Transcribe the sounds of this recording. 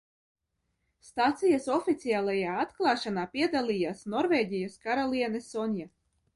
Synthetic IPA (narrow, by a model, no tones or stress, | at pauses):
st̪at̪sijasɔfʲit̪siaːlˠajaːat̪klˠɑːʃanaːpʲiɛd̪alʲˠijaːsnɔɾvʲeːɟʲijaskaɾalʲˠiɛnɛsɔnja